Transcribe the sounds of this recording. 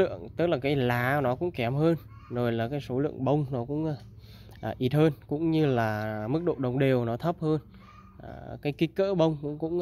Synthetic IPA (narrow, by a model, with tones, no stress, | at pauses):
ɨ̰˧˨əŋt̪ɨ˦˥k̚laː˨˩kaː˨˦jlaː˨˩nɔ˨˦kʊ̰˧˥ŋ͡mkɛ˨˦mɦəː˧n | zo˨˩jlaː˨˩kaː˨˦jso˨˦lɨ̰˧˨əŋɓə˧wŋ͡mnɔ˨˦kʊ̰˧˥ŋ͡mʔ | ʔːʔi˨˩t̚həː˧nkʊ̰˧˥ŋ͡mɲɨ˧laː˨˩mɨ˦˥k̚ɗo̰˧˨ɗə˨˩wŋ͡mɗe˨˩əwnɔ˨˦t̪ʰə˦˥p̚həː˧n | ʔkaː˨˦jki˨˦˥kə̰ː˧˥ɓə˧wŋ͡mkʊ̰˧˥ŋ͡mkʊ̰˧˥ŋ͡m